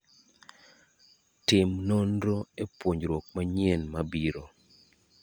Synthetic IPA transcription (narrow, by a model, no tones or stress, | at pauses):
tɪmnondɾoepwoɲɾwok̚maɲɛnmabiɾo